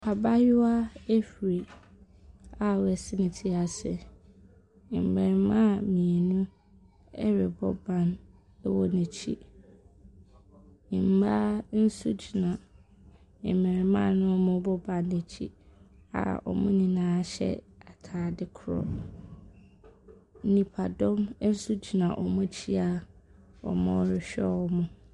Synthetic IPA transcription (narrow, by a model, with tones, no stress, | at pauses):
pʰa˨ba˦jʊ˦a˦ɛ˦fɾi˨ | a˨wɛ˨sɪ˦nɪ̃˨tʰi˦a˨sɪ̰˨ | m̩˨mɛ˨ɾmã˦˨mĩ˨e˨nũ˦ | ɛ˦ɾɪ˨bɔ̰˦bã˨n˦ | wɔ˦nɛ̃˨t͡ɕʰḭ˦˨ | m̩˨ba˦n̩˦sṵ˦d͡ʑi˨nã˨ | ɪ̰˨mɛ̃˨ɾmã̰˦˨nʊ̃˦mʊ̃˦bɔ˦bã˨nːẽ˨t͡ɕʰi˦a̰˨ɔ̰˨mʊ̃˦nĩ˨nãː˦ɕɛ̰˦a˨tʰaː˨dɪ˦kʰʊ˨ɾɔ̰˨ | nĩ˨pʰa˨dɔ̃˦m˦n̩˦su˦d͡ʑi˨nã˨ʔɔ˨mʊ̃˦t͡ɕʰi˦a˨ | ɔ̰˨mʊ̃˦ɾɪ˨ɕᶣɛ̰˦wɔ˦mʊ̃˦